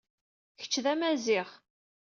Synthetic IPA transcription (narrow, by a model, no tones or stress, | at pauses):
çə̥t͡ʃːðæmæzɪʁ